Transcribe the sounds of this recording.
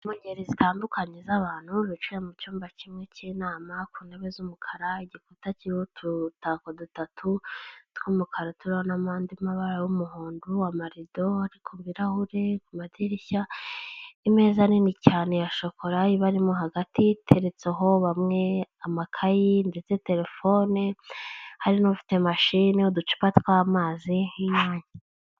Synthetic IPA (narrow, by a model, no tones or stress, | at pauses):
muɲɟeɾizitʰaːndukʰaɲezaβaːn̥huɾut͡ʃujemut͡ʃuːmbacimŋe̞cinaːmakuːneβezumukʰaɾaiɟikutaciotʰutakodutatʰutkumukʰaɾatuɾahonamaːndimaβaɾajumuhuːnduamaɾido̞aɾikʰomviɾahuɾekumadiɾiça | ime̞ːzaninicaːnejaʃo̞kʰo̞ɾaiβaɾimoɦaɡatitʰeɾet͡seɦo̞βamŋe̞amakʰajinde̞t͡se̞te̞ɾe̞fo̞ne | haɾinofi̥te̞maʃineodut͡ʃi̥patkwamaːzihiɲaːɲa